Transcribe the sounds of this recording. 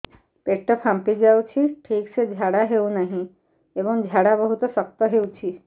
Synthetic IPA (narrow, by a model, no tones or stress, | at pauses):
peʈəpʰãmpid͡ʒaut͡ʃʰiʈʰiːksed͡ʑʱjaːɽaɦeunaɦĩ | eʋəŋd͡ʒʱjaɽabəɦut̪sək̚t̪əɦeut͡ʃʰi